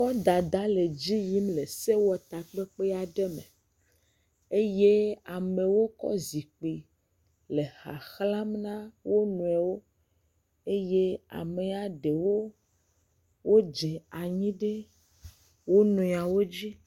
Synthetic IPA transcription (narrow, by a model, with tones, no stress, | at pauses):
kɔ˦d̪a˨d̪a˦le˨d͡ʑi˦ji˦mle˨se˦wɔ˨t̪a˨k͡pe˦k͡pe˦a˨ɖe˦me˨ | e˦je˦a˨me˨wo˦kɔ̰˦zi˨k͡pi˨ | le˨xa̰˨xla˦mnã˦wo˦nũ˨ɛ˨wo˦ | e˦je˦a̰˨me˨a˨ɖe˨wo˦ | wo˦d͡ʒe˨a˨ɲĩ˦ɖe˦ | wo˦nũ˨a˨wo˦d͡ʑi˦